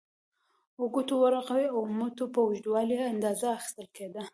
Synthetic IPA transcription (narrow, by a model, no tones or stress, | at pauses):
ʊɡut̪owəɾaqawiawmut̪opawʒd̪wɑliand̪ɑzaːxɪ̥st̪əlked̪a